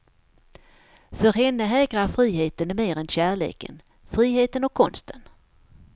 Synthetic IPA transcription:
fœɾɦɛnːəɦɛːɡɾaɾfɾiːɦeːt̪ənmeːɾɛnɕæːɭḛːkə̰n | fɾiːɦeːt̪ənɔkʰːɔnst̪ʰən

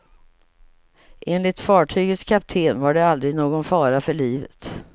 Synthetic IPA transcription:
ʔeːnlɪt̪fɑːʈʰyːɡət̪skʰap̚t̪ʰeːnvaɖɛald̪ɾɪɡnoːɡɔnfɑːɾafœɭiːvə̰t̪

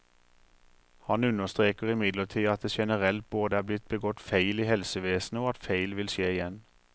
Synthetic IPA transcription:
hɑnʉnəst̪ʁeːkəʁɪmɪd̪ləʈʰiːɑt̪̚d̪eːʃɛnəʁɛlt̪̚boːd̪əæːblɪt̪̚bəɡɔt̪fæɪliːhɛlsəʋeːsn̩əoːɑt̪fæɪlʋɪlʃeːɪjɛn

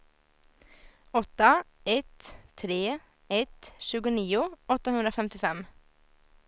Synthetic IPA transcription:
ɔt̪ːa | ɛt̪ʰːɾeː | ɛt̪ʃʉːɡʊniːʊɔt̪ːəhɵʉnd̪ɾafɛmt̪ɪfɛm

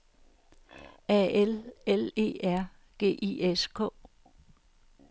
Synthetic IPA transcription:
æelele̝̰ːæɐ̰ | ɡ̥e̝̰ːʔieskʰɔ̰̽

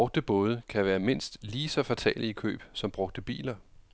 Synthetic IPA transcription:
ɔ̽ɡ̥̚d̥əb̥ɔ̽ːð̞ˠəkʰæʋæːɐme̝n̰sd̥liːsɒ̽fæt͡sʰɛ̰ːlikʰø̰ːb̥sɒ̽mb̥ʁɔ̽ɡ̥̚d̥əb̥ḭːlɐ

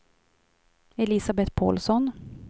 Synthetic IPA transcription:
ɛlɪsabɛt̪pʰɔ̰ːlsɔn

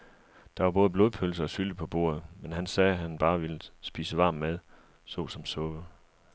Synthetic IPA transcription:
d̥ɑ̈ʋɑ̈b̥ɔ̽ːð̩ˠb̥loːðˠpʰøls̬əɒ̽syləpʰɒ̽b̥o̝̰ːɐ̰ð̩ˠmenɦænsɛːɦænb̥ɑ̈ːʋe̝ləsb̥ḭːsəʋɑ̈ːmmeð̞ˠ | sɔ̰̽ːsɒ̽msɔ̽ːʋə

